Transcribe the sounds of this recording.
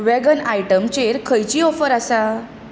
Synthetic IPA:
ʋɛɡənajʈəmt͡ɕeɾkʰəjt͡ɕiːɔfəɾasa

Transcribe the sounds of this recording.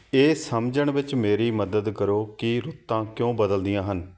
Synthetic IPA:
eːsəmd͡ʒəɳ̃ʋɪt͡ʃmeːɾiːməd̪əd̪kəɾoːkɪɾʊt̪ːãːkjõːbəd̪əld̪ɪjãːɦən

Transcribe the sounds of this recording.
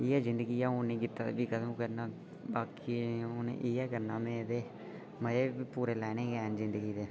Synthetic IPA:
iːɛːzɪnd̪əɡiːjaːʊnĩːkɪt̪ːaːbiːkəd̪ũːkəɾnaː | baːkiːonḛʔiːɛːkəɾnaːmẽːd̪eː | məeːipuːɾeːlɛːnẽːɡɛːnzɪ̃nd̪əɡiːd̪eː

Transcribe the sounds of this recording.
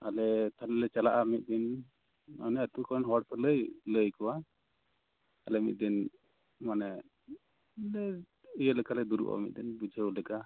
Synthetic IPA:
alɛt̪ʰalɛlɛt͡ʃalaʔamit̪̚ˀd̪in | manɛət̪ukɔnɦɔɽpɛləjləjkɔwa | alɛmit̪̚d̪in | manɛ | lɛ | ɯjəlɛkalɛd̪uɾṵʔɔ̰mḭt̪̚d̪inbud͡ʒʱəlɛka

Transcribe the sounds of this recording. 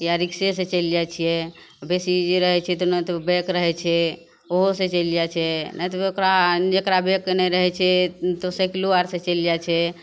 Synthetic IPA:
jaɾikses̬et͡ʃəljat͡ʃʰijɛ | besid͡ʒeɾəɦɛt͡ʃʰɛt̪ɔnɛt̪ɔbekɾəɦɛt͡ʃʰɛ | oɦosẽt͡ʃəljat͡ʃʰɛnɛjt̪ookɾad͡ʒekɾabekːnɛɾəɦɛt͡ʃʰɛt̪osekiluaɾsẽt͡ʃəljat͡ʃʰɛ

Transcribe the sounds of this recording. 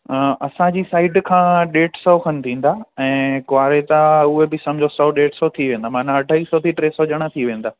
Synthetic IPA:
ʔɐsãd͡ʑiːsaːɪɖkʰãːɗeːʈsɔkʰɐnɪ̆t̪ʰĩːn̆d̪aːɛ̃ːkʊaːɾet̪aʊɦebɪsɐ̃md͡ʑʱosɔɗeːʈsɔt̪ʰiʋẽːnd̪amãːnãɐɖʱaisɔt̪ʰiʈɾeːsɔʄəɽ̃at̪ʰiʋẽːn̆d̪aː

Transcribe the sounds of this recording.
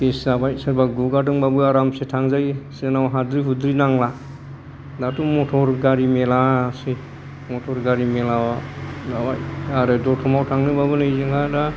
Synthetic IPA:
peszabajsaɾbaɡuɡadɯŋbabɯaɾamsetʰaŋzajsenawɦadɾiɦudɾinaŋla | datumɔtʰɔɾɡaɾimelase | mɔtʰɔɾɡaɾimelawadabajaɾɯdɔtʰɔmawtʰaŋnɯbabɯnɯjzɯŋada

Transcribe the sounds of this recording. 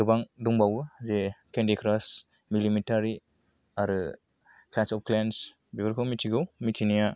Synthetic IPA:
ɯbaŋduŋbawɯzekʰendikʰɾas | milimitaɾi | aɾɯ | klansɔp̚klans | bibaɾkʰɯmitʰiɡɯwmitʰinija

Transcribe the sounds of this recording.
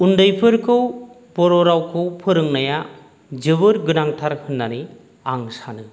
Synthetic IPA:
undɯjpʰɯɾkʰɯw | bɔɾɔɾawkʰɯwpʰɯɾɯŋnaja | d͡ʒɯbɯɾɡɯnaŋtʰaɾkʰɯnːani | aŋsanɯ

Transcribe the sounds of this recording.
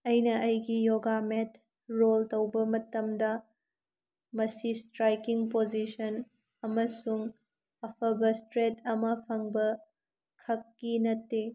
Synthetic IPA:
ɐjnɐʔɐjɡijoɡamet | ɾoltɐwbɐmɐtɐmdɐ | mɐsistɾajkiŋpod͡ʒisɐn | ɐmɐsuŋ | ɐpʰɐbɐstɾetʰɐmɐpʰɐŋbɐ | kʰɐkːinɐtːe

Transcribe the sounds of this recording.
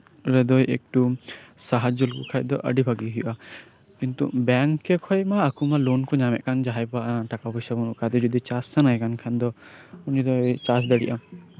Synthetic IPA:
ɾɛd̪ɔjʔek̚ʈusaɦad͡ʒulkɔkʰaj̚d̪ɔʔə̰ɖibʱaɡiɦijuʔa | kint̪ṵbɛŋkːɛkʰɔjmaːkʰumalɔnkɔɲamɛ̰ʔ̪̚kand͡ʒaɦajbaʔaʈakabɔjsabunuʔkad̪ɔd͡ʒɔd̪it͡ʃasːanajɛkankʰand̪ɔunid̪ɔt͡ʃas̬d̪əɽḭʔam

